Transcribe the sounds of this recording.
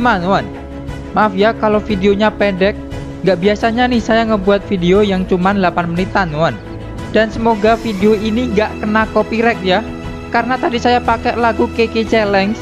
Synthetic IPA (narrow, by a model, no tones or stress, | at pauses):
manuan | maʔfijakalofideoɲapɛndɛk̚ | ŋɡaʔbiasaɲanɪhsajaŋəbuat̪̚fideojaŋt͡ʃumanlapanmənit̪anuan | d̥ansəmoɡafideoiniŋɡaʔkənakopiɾɛk̚ja | kaɾənat̪adisajapakɛʔlaɡukeket͡ʃɛlɛŋs